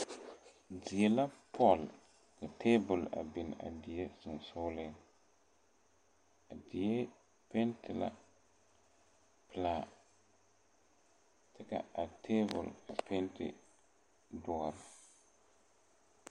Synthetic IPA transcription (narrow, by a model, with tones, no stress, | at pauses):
dɪ˨e˦la˦pʰɔ˦˨l | ka˨tʰeː˦bʊ˨la̰˨bɪ˨n˨a̰˨dɪ˨je˦sʊ˨n˨sʊ˦lɪ˦ | a˨dɪ˨je˦ | pɛ˦ntʰɪ˨la̰˦ | pɪ˨laː˨ | tɛ˦ka̰˨a˨tʰeː˦bʊ̰˨la˨pʰɛ˦ntɪ̰˨ | dʊ˦ɔ˨ɾɪ˨